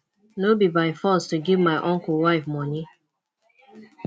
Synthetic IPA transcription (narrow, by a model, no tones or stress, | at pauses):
nobibaɪfɔstuɡivmaɪʔɔ̃ŋkəwaɪfmɔni